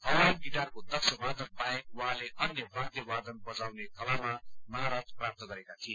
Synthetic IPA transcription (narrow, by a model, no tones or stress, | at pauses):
pʰʌwanɡiɖarkod̪ʌksʌwad̪ənpaek̚wʌɦãleʔʌnjʌbʱaɾt̪jʌwad̪ənbʌd͡zawnekʌlamamʌɦaɾast̪prap̚t̪ʌɡʌɾekat̪ʰie